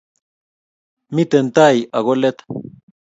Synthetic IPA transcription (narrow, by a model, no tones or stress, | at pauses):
mit̪ent̪ajʔaɣolet̪